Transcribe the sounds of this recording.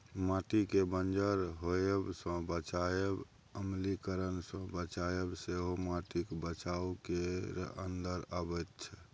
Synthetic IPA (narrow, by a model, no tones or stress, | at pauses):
maʈikebənd͡ʒəɾɦoebsə̃bət͡ʃaeb | əmlikəɾənsə̃bət͡ʃaebseɦomaʈikbət͡ʃaukeənd̪əɾabət̪t͡ʃʰɛ